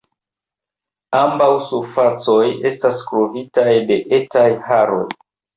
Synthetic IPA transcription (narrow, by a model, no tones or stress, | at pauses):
ambawsufat͡so̞je̞staskɾovitajde̞ʔetajhaɾo̞̰j